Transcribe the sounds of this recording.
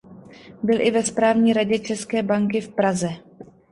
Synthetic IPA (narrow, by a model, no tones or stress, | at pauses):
bɪlʔɪvɛspɾaːvɲiːɾaɟɛt͡ʃɛskɛːbaŋkɪfpɾazɛ